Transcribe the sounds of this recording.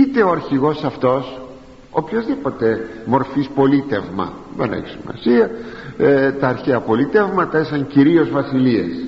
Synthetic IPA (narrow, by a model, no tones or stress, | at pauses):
it̪e̞oɐɾçiɣo̞sɐft̪o̞s | opço̞zðipo̞t̪e̞mo̞ɾfispo̞lit̪e̞vmɐ̰ | ðenḛçi̥simɐ̰siɐ | t̪ɐːɾçeɐpo̞lit̪evmɐt̪ɐisɐŋciɾio̞zvɐsiliḛs